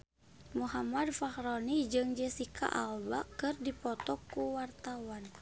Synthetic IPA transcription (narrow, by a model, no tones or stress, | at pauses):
muɦamadfahɾonid͡ʒɨŋd͡ʒɛsikʰa̰ʔa̰lba̰kɨrdipɔt̪ɔkːuwart̪awan